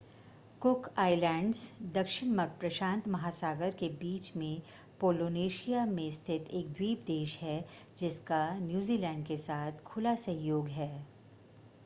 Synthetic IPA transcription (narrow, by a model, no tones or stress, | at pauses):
kʊkaːɪlɛ̃ːɳɖzd̪ɐkʃɪnmɐɾpɾɐʃãːnt̪mɐɦaːsaːɡəɾkebiːt͡ʃmẽ | poːloːneːʃijamẽst̪ʰɪt̪ʰeːk̚d̪wiːpd̪eːʃɦɛ | d͡ʒɪskanjuːzilɛ̃ːɳɖkesaːt̪ʰkʰʊlasɐɦjjoːɡɦɛː